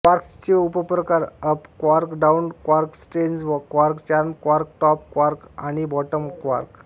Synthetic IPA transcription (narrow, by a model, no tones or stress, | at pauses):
ʋaɾkt͡ɕeupəpɾəkaɾəpkʋaɾkɖaunkʋaɾksʈend͡zʋəkʋaɾkt͡ɕaɾmkʋaɾkʈɔp̚ːʋaɾkaɽ̃ibɔʈəmkʋa̰ɾk